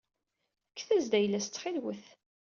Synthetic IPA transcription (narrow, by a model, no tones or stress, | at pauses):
ækːθæzd̪æjlːæst͡sːχɪlwəθ